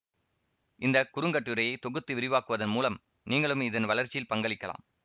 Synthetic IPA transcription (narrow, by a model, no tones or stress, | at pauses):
ɪnd̪ɐkʊɾɯŋɡɐʈːɯɾɐjɐɪt̪ɔɣɯt̪ːɯʋɪɾɪʋaːkɯʋɐðɐnmuːlɐm | niːŋɡɐɭɯmɪðɐnʋɐɭɐɾt͡ʃɪlpɐŋɡɐɭɪkːɐla̰ːm